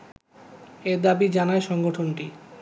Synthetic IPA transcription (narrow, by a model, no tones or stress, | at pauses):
eɾd̪abid͡ʑanaeʃɔŋɡoʈʰonʈi